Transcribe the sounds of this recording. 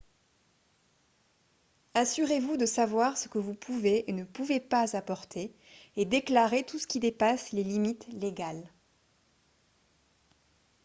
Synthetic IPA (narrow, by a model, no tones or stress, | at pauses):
asyʁevud̪əsavwaʁsə̥kəvupʰuveenəpuvepazapɔʁt̪ʰeː | d̪eklaʁet̪usə̥kʲid̪epaslelimit̪leɡal